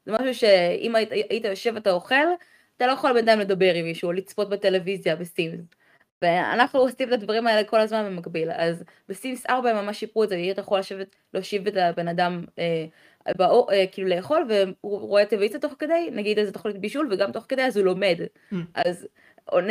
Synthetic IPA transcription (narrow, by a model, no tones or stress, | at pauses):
zemaʃuʃe̞ḭmaajit̪ajoʃe̞vat̪ao̞χe̞l | at̪alo̞jeχolbenad̪aimle̞d̪abe̞ʁimiʃulit͡spo̞t̚bet̪ele̞vizjabesims | vea̰naχnuosimetad̪vaʁimae̞le̞ko̞lazmanbemaɡbilaz | besimsaʁbaemːamaʃːipʁuetzeajiat̪ajeχolaʃevet | leoʃivet̪abe̞nadame | baoʔekiːlule̞jeχo̞lveuʁoe̞t̪evit͡sat̪o̞χked̪ejnaɡid̪azet̪oχlit̪biʃulveɡamt̪o̞χkedajazulo̞me̞d̪ | ʔaz | on